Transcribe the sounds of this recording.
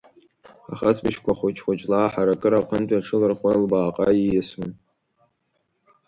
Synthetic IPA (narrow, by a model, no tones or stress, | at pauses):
a̰χasbɨʃkʷʰaχʷʊt͡ʃʰʼχʷʊt͡ʃʼlaːħaɾakʼɨɾaqʰəntʷʼaʈ͡ʂʰɨlɨrχʷalbaːqʼa̰jijɪsmɨn